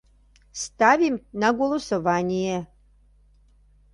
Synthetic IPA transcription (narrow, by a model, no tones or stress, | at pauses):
st̪avʲimnɐɡolˠosovaːnʲijɛ